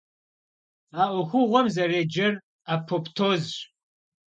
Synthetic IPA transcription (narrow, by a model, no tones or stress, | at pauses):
aːʔʷʊxʷʊʁʷɔmzɐreːd͡ʒɐr | aːpʰoptʰoːzɕ